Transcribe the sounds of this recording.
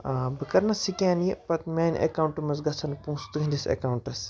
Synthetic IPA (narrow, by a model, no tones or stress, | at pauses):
abɨkɐɾnɐsikʲãːnjipɐt̪mʲeːnʲʔḛkauɳʈumɐsɡɐsʰɐnpũːst̪ɡʱɐndʲisḛkawuɳʈɐs